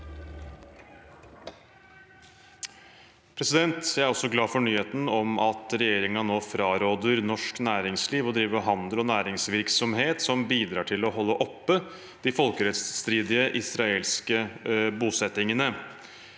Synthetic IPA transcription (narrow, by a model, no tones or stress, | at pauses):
pʰɾɛsɪd̪ɛnt̪jæɪæɾɔsɔɡlɑːfɔɳyːheːt̪n̩ɔmɑt̪ɾɛjeːɾɪŋɑnoːfɾɑːɾoːd̪əɾnɔʂknæːɾɪŋsliːʋɔd̪ɾiːʋəɦɑnd̪əlɔnæːɾɪŋsʋɪɾksɔmɦeːt̪sɔmbiːd̪ɾɑːʈʰɪlɔɦɔlːəʔɔpːə | d̪̥ɪfɔlkəɾɛt̪sːt̪ɾiːd̪ɪəʔɪsɾɑeːlskəbuːsɛt̪ɪŋənə